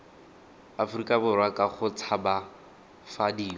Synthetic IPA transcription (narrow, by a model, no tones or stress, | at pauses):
afʊrikʼabʊrwakʼaχʊt͡sʰaba | fadiː